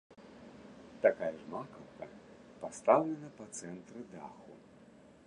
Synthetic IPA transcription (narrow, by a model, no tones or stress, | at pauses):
t̪akajɐʐmakɐwkɐ̰ | past̪awlʲɛnɐpɐt̪sɛnt̪ɾɨd̪a̰xṵ